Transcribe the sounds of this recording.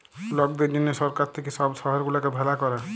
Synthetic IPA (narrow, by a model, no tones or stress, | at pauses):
lɔk̚d̪ed͡ʒinːesɔɾkaɾt̪ʰekesɔbsɔɦɔɾɡulakebʱɛlakɔɾa